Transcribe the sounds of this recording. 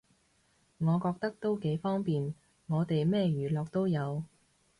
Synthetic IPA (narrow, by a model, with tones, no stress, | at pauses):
ŋɔː˨˧kɔː˧k̚t̪ɐ˥k̚t̪o˥wke˨˥jfɔː˥ŋpiː˨n | ŋɔː˨˧t̪e˨jmɛː˥˧jyː˨˩lɔː˨k̚t̪o˥wjɐ˨˧w